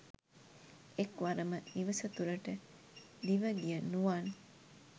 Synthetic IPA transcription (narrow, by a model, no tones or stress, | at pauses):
ekʋɐɾɐməniʋɐsɐt̪uɾɐʈə | d̪iʋəɡijənuʋaːn